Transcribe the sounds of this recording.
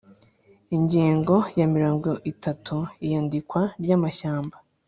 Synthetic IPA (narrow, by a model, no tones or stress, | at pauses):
iɲɟiːŋɡo̞jamiɾaːŋɡoʔitatʰuijaːndikwaɾɟaːmaʃaːmba